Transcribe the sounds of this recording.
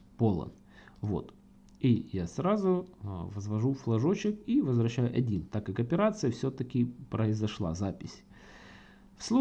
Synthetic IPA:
polˠə̰n | vo̰t̪ | ijasɾazʊvəzvɐʐuflˠɐʐo̞t͡ɕɪkivəzvɾɐɕːæjʊʔɐdʲint̪akːakɐpʲɪɾat̪sɨjəfsʲot̪əkʲɪpɾəɪzɐʂlˠa̰zapʲɪsʲ | fslˠu

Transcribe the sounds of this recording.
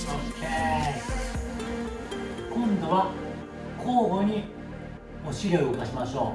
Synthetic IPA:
okʰe | kõ̞nd̪o̞βa | kʰoːɡo̞ɲ̟i | moːɕiɾʲoiokaɕimaɕo̞ː

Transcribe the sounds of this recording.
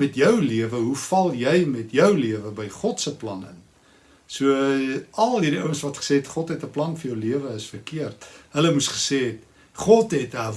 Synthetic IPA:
mɛtjœwliəvəɦufɐlˠjɛjmɛtjœwliəvəbəjχɔtsəplɐnə̰n | suəɐlˠɦiɾiœwənsvɐtχə̥seːetχɔtɦɛtəplɐnfərjəwliəvəəsfərkiərtɦələmusχə̥seːt | χɔtɦɛtɦæ

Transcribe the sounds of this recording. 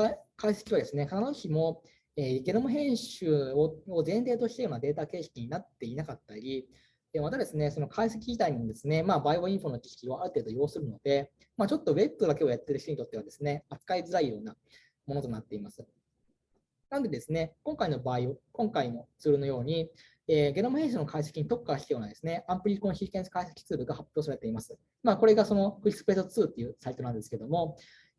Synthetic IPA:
kʰaise̥kʲiβad̪e̞sɨne̞kʰananoçimo̞ | eːɡe̞nomoɦẽ̞ɰ̃ɕɨːoozẽ̞nɾe̞ːt̪oɕi̥t̪ajoːnad̪e̞ːt̪ake̞ːɕi̥kʲiɲ̟inat̪ːe̞inakat̪ːaɾʲi | eːmat̪ad̪e̞sɨneso̞no̞kʰais̬e̞kʲiʑit̪aiɲ̟imo̞d̪e̞sɨne̞maːbaːiβoĩɰ̃ɸo̞no̞kʲi̥ɕkʲio̞aɾɯ̟t̪e̞ːd̪o̞jo̞ːsɨɾɯno̞d̪̥e̞ | mat͡ɕo̞t̪ːo̞be̞t̪ːo̞d̪ake̞o̞jat̪ːe̞ɾɯ̟ç̥toɲ̟it̪o̞t̪ːe̞βad̪esɨne̞at͡sɨ̥kaid͡zɨɾaijo̞ːna | mo̞no̞t̪o̞nat̪ːe̞imasɨ̥ | nanod̪e̞d̪e̞sɨne̞koŋkaino̞baːiokõ̞ŋkaino̞t͡sɨːɾɯ̟no̞jo̞ːɲ̟i | eːɡe̞ɾomahẽ̞ɕ̬inokaiɕ̬e̥kʲiɲ̟it̪o̞kːaɕi̥t̪ajo̞ːnad̪e̞sɨne̞ãmpɯ̟ɾʲikonoçikẽɰ̃sɨ̥kaiɕe̥kʲi̥t͡sɨːbɯ̟ɡahapʲjo̞ːs̬aɾe̞t̪e̞imasɨ̥ | maːko̞ɾe̞ɡaso̞no̞ɸɯ̟ɾʲisɨ̥pe̞t̪ːot͡sɨːt̪ːe̞jɯ̟ːsait̪o̞nãnd̪e̞sɨ̥ke̞d̪o̞mo̞

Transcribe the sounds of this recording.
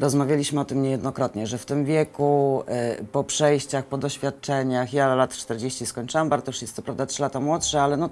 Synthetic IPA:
ɾɔzmavʲjalʲiɕmɘɔt̪ɘmɲɛjɛd̪nɔkɾɔt̪ɲɛʐɛft̪ɘmvʲjɛku | pɔpʂɛjɕt͡ɕaxpɔd̪ɔɕfʲjat̪̚t͡ʂɛɲaxjalat̪t͡ʂt̪ɛɾd͡ʑeɕt͡ɕiskɔɲt͡ʂɘwambaɾd̪ɔjuʂjɛst̪ːɔpɾavd̪atʂɘlat̪amwɔtʂɛalɛnɔ

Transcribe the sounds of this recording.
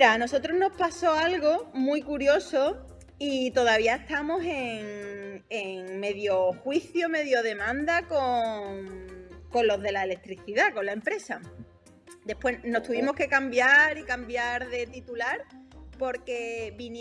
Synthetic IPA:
ɾaːno̞so̞t̪ɾozno̞hpaso̞alɣo̞mwuikuɾjo̞so̞ | it̪o̞ðaβiae̞ht̪amo̞se̞ŋeŋme̞ðjo̞xwiθjome̞ðjo̞ðe̞mãnd̪akoŋŋko̞nlo̞ðe̞laele̞k̚t̪ɾiθiðako̞nlaempɾe̞sa | d̪e̞pwe̞no̞st̪uβimo̞hke̞kambjaɾikambjaɾðe̞t̪it̪ulaɾpo̞ɾke̞βin

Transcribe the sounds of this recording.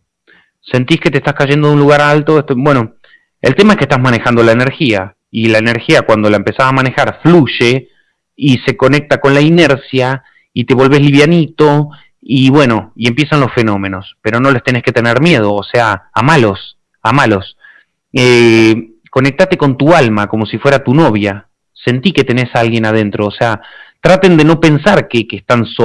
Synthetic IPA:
se̞nt̪iske̞t̪est̪askaʒend̪oðunluɣaɾalt̪oest̪obwe̞no̞ | ḛlt̪e̞maeskest̪azmane̞xand̪o̞laene̞ɾxia | ilaene̞ɾxiakwand̪o̞laempe̞sasamane̞xaɾfluʒe̞ | ise̞ko̞ne̞k̚t̪ako̞nlaine̞ɾsja | it̪e̞βo̞lβe̞zliβjanit̪o̞ | iβwe̞no̞ie̞mpje̞sanlo̞sfe̞no̞mẽ̞no̞spe̞ɾo̞no̞lest̪e̞ne̞ske̞t̪e̞neɾmje̞ð̞o̞ːse̞aːmalo̞s | amalo̞s | e | ko̞ne̞k̚t̪at̪e̞ko̞nt̪ualmako̞mo̞sifwe̞ɾat̪uno̞β̞ja | se̞nt̪ike̞t̪e̞ne̞salɣje̞nað̞e̞nt̪ɾoːseat̪ɾat̪e̞nd̪eno̞pe̞nsaɾkekest̪anso

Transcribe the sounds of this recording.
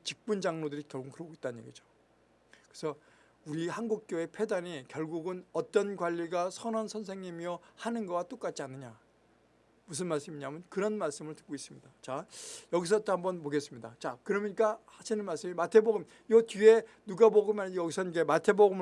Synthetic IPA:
t͡ɕik̚p͈und͡ʑaŋnodɯɾikjʌɭɡukɯɾʌɡoit͈̚annɲjeɡid͡ʑo̥ | kɯesʰʌ | uɾihanɡuk̚k͈joe̞pʰe̞daɲikjʌɭɡuɡɯnʌt͈ʌnɡwaʎːiɡasʰʌnʌnsʰʌnsʰe̞ŋɲimiʌhanɯnɡʌwat͈ok͈at̚t͡ɕ͈ianːɯɲa | mus̬ʰɯnmaɭs͈ɯmiɲamɯnkɯɾʌnmaɭs͈ɯmɯɭtɯ̥k͈̚ois͈ɯmɲidat͡ɕajʌɡis̬ʰʌt͈ohambʌnpoɡe̞s͈ɯmɲidat͡ɕakɯɾʌmɲik͈ahaɕʰinɯnmaɭs͈ɯmimatʰe̞boɡɯm | jʌtɥie̞nuɡaboɡɯmaɲjʌɡisʰʌnikematʰe̞boɡɯm

